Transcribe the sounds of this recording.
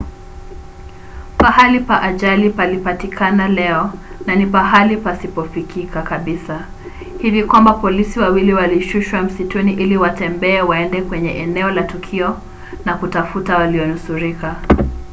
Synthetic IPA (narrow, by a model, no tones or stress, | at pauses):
pahalipaʔaʄalipalipatikʰanalɛɔ | nanipaɦalipasipɔfikʰikakaɓisa | hivikwambapɔlisiwawiliwaliʃuʃwam̩situniʔiliwatɛmbɛːwaɛndɛkwɛɲɛʔɛnɛɔlatukʰiɔ | nakutafutawaliɔnusuɾika